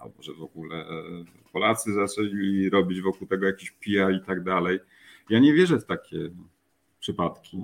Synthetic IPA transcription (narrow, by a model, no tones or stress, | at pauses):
a̰lbɔʐɛvɔɡulɛ̰ | pɔlat̪sɘzasɛlʲilʲiɾɔbʲid͡ʑvɔkuwt̪ɛɡɔjakʲiɕpʲijait̪aɡd̪alɛj | jaɲɛvʲjɛʐɛft̪akʲʰɛ | pʂɘpat̪kʲi